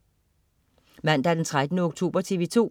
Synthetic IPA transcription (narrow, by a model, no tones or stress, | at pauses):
mæn̰d̥ɑæɐd̥ent͡sʰʁad̥nəɔɡ̥t͡sʰo̝̰ːb̥ɐt͡sʰe̝ʋet͡sʰo̝̰ː